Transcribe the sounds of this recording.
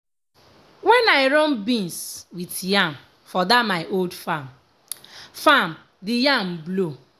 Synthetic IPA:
wɛnaɪɾɔnbĩnswitjam̩ | fɔdamaɪʔoldfam | fam̩ | dɪjam̩blo

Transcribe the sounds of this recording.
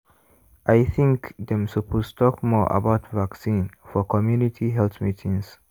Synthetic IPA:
ʔajθʰĩŋkd̪ɛ̃msupʰostʰɔkmɔʔa̰baʊtvaksĩnfɔkʰɔmjunitʰiɦɛlθmitʰĩŋs

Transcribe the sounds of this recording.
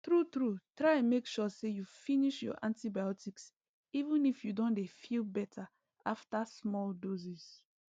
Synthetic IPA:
tɹutɹutɹaɪ̃mekʃɔsejufiniʃjɔ̰ʔãntibajɔtiks | ivũnifjudõndefilbɛtʰa | aftasmɔldoziz

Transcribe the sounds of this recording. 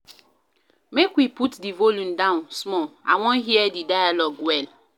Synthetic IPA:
mekwiputdivolũndãʊ̃nsmɔa̰wɔ̃nɦiɛdidajalɔɡwɛl

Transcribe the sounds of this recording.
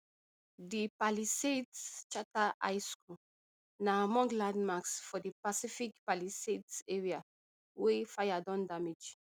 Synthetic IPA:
dipalisetst͡ʃataʔa̰jsku | namɔ̃ŋɡlãndmaksfɔdipasifikpalisetsɛɹia | wefajadɔ̃ndamid͡ʒ

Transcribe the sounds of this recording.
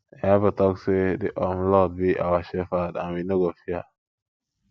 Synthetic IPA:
ɛvatɔksediʔɔmlɔd̚biʔawaʃɛfadã̰nwinoɡofia

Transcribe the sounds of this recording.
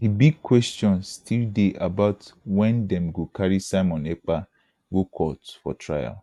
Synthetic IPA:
hibiɡ̚kʰwɛstɔ̃nstʰildeʔabaʊtwɛ̃ndɛ̃mɡokaɾisaɪmɔ̃nek͡pa | ɡokʰɔtfɔ̰tʰɹaja̰l

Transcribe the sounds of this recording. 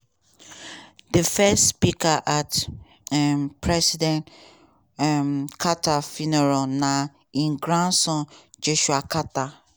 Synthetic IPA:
dəfɛstspikaʔat | ɛmpʰɹɛsidɛ̃nt | mkʰatafinɛɹana | ĩnɡɹãnsɔ̃nd͡ʒoʃuakata

